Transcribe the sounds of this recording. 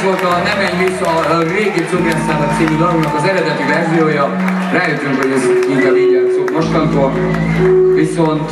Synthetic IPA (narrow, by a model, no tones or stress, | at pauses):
o̞lt̪ɒnɛmɛɲisɒreːɡeːsobjɛnsaːnɒt̪siːmyd̪ɒlumnɒkɒzɛɾɛd̪ɛt̪ivɛrzijoːjɒ | raːjøt̪ːyŋkɦoɟɛziŋt̪ɛviːɲɛt̪soːt̪mo̞ʃt̪ɒnt̪oːl | viso̞nt̪